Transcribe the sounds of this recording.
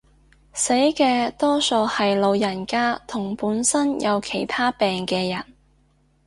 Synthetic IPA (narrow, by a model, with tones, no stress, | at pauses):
se˨˥jkɛː˧t̪ɔː˥so˧hɐ˨jlo˨˧wjɐ˨˩nkaː˥t̪ʰʊ˨˩ŋpuː˨˥nsɐ˥njʔɐ˨˧wkʰe˨˩jt̪ʰaː˥pɛː˨ŋkɛː˧jɐ˨˩n